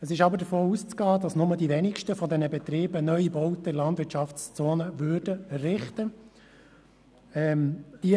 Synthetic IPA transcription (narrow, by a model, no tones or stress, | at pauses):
əsɪʃɑbəɾdəfoːust͡sɡɑːdɑsnʊmədiʋɛnɪkʃtəfɔd̪ɛnəbɛt̪ɾiːbənœʏibɔwtəlɑndʋɪɾtʃɑft͡st͡soːnəʋʉːɾdəɛrɪχtə | ɛmd̥i